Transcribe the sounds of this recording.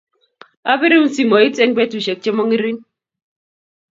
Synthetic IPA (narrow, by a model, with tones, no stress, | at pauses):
a˦bɪ˦ɾi˦u˦n˦si˨mɔ˨i˦t͡se˦ŋbɛ˦tu˨ʃɛ˨k̚t͡ʃe˦mɔ˦ŋi˦ɾi˦n